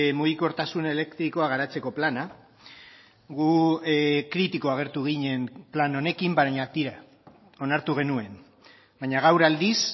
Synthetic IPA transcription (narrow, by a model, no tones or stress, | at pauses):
muɣiko̞ɾt̪asune̞le̞kt̪ɾikoaɣ̞aɾat͡se̞ko̞plana | ɡu | kɾit̪iko̞aɣ̞e̞ɾt̪uɣ̞iɲe̞mplano̞ne̞kimbaɲat̪iɾa | o̞naɾt̪uɣ̞e̞nue̞n | bajɲaɣ̞awɾald̪is